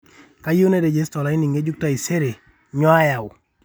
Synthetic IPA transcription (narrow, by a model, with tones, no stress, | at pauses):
ka˦jo˦ne˦de˨d͡ʒe˦stɔ˨la˨˦ɪ˦ni˨ŋe˦d͡ʒu˦k̚ta˦i˨se˦ɾe˨ | ɲɔ˦a˦ja˨w